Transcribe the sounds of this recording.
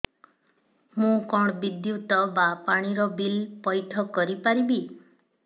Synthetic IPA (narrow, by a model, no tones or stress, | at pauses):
mũkɔɽ̃ɔbid̪jut̪ɔbapaɽ̃iɾɔbilpɔjʈʰɔkɔɾipaɾibi